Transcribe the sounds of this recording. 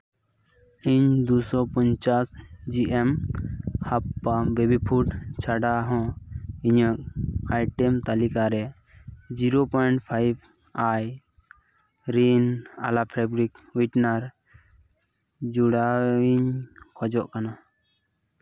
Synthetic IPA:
iɲd̪usɔpɔɲt͡ʃasd͡ʒiʔɛm | hapːabebipʰuʈt͡ʃʰaɖaɦɔ̃iɲɔk̚ajʈɛmt̪alikaɾɛ | d͡ʒiɾopɔjɳʈpʰajb | aj | ɾina̰lapʰɾabɾik | wiʈnaɾ | d͡ʒuɽaiɲkʰɔd͡ʒɔʔkana

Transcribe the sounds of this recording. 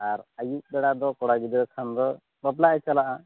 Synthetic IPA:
aɾajiʔ̚bɛɽad̪ɔkɔɽaɡid̪id̪ɔkʰand̪ɔ | bɔplaʔɛt͡ʃalaʔa

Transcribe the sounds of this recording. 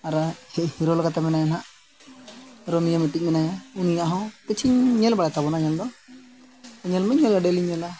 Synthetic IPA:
aɾahɛhiɾɔlkat̪amɛnajanaʔ | ɾɔmijamɛʈic̚mɛnajaunijaʔɦɔ̃k̪ət͡ʃʰiɲɲɛlbaɽɛt̪abɔnaɲɛld̪ɔ | əɲɛlmɛɲːɛləɖɛliɲɛla

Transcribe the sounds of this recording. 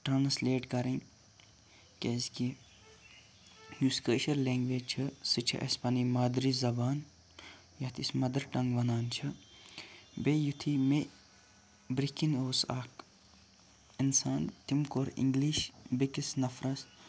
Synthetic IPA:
ʈɾaːnsleːʈkɐɾin | kʲezki | juskəːʃɐɾleːŋɡʋeːd͡ʒt͡ʃʰɨsɨt͡ʃʰḭʔɐ̰spɐnimaːd̪ɾizɐbaːn | jɐt̪ʰismɐd̪ɐɾʈɐŋɡʋɐnaːnt͡ʃʰi | bejut̪ʰime | bɾikinoːsak | insaːnt̪imkoːɾḭ̃ŋɡliːʃbikisnɐfʰɾɐs

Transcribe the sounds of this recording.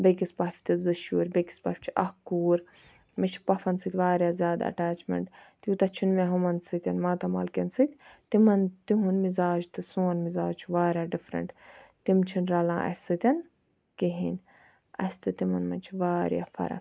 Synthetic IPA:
bekispaːfʲt̪ɨzɨʃuːɾʲbeki̥spafʲt͡ʃʰi̥ʔɐhkuːɾ | mit͡ʃʰpɐfɐnsɨt̪ʰʲʋaːɾʲjaːzjaːd̪ɐ̰ʈaːt͡ʃmḛɳʈt̪jut̪ɐt͡ʃʰunmeɦumɐnsɨt̪ʲɐnmãːt̪ɐma̰ːlkensɨt̪ʲt̪imɐnt̪iɦunmizaːd͡ʒt̪ɨsuːnmizaːd͡ʒt͡ʃʰuʋaːɾʲjaːɖifɾɐ̰ɳʈt̪imt͡ʃʰinɾɐlãːʔɐ̰sɨt̪ʲɐn | kiɦinʲ | ɐ̰st̪ɨt̪imɐnmɐnt͡ʃʰiʋaːɾja̰ːfɐ̰ɾɐ̰

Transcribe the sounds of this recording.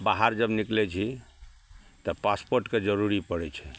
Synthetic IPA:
baɦaɾd͡ʒəbniklɛt͡ʃʰi | t̪ɔpaspoɾʈked͡ʒəɾuɾipəɽɛt͡ʃʰɛ̥

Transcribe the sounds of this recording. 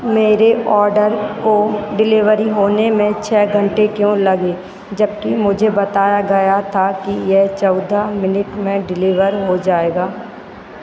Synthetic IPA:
meːɾeʔɔːɾɖəɾkoɖɪlɪʋəɾiɦoːnemẽt͡ʃʰɛːɡʱə̃ɳʈekjõːlɐɡeː | d͡ʒɐbkimʊd͡ʒʱebɐt̪aːjaɡɐjat̪ʰakijɛɦt͡ʃɔʊd̪ʱamɪnɪʈmẽɖɪlɪʋəɾɦod͡ʒaːeːɡaː

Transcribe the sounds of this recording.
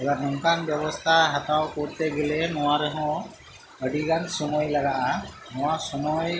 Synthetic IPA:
ɛlanɔŋkʰanbjɛbɔst̪ʰaɦat̪awkuɾt̪ɛɡɛlɛnɔwaɾɛɦɔ̃ | əɖiɡansɔmɔjlaɡaʔa | nɔ̃wasɔmɔj

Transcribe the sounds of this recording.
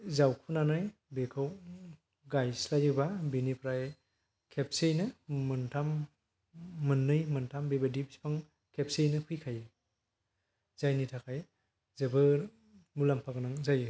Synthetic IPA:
zawkʰunanɯjbekʰɯw | ɡajslajɯbabinipɾaj | kʰep̚sejnɯːɯntʰam | ɯnːɯjmɯntʰambebadipspʰaŋ | kʰep̚sejnɯpʰɯjkʰaj | z̥ajnitʰakʰaj | zɯbɯ | mulampʰaɡɯnaŋzajɯ

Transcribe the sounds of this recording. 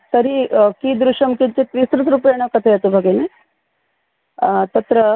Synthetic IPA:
sɐɾikiːd̪ɾuʃɐmkint͡ʃit̪ʋisɾut̪ɾupɐjɐɳ̃ɐkɐt̪ʰɐjɐt̪ubʱɐɡeni | t̪ɐt̪ɾɐ

